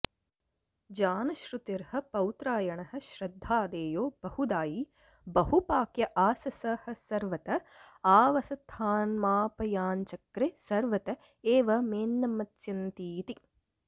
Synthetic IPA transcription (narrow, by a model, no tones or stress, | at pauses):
d͡ʒaːnɐʃɾut̪iɾhɐ̆pɐwt̪ɾaːjɐɳɐɦɐ̆ʃɾɐd̪ʱːaːd̪eːjoːb̥ɐhud̪aːji | bɐɦupaːkjɐʔaːsɐsɐhɐ̆sɐɾʋɐt̪ɐ | aːʋɐsɐt̪ʰaːnmaːpɐjaːnt͡ʃɐkɾesɐɾʋɐt̪ɐ | eːʋɐmeːnːɐmɐt̪jɐnt̪iːt̪i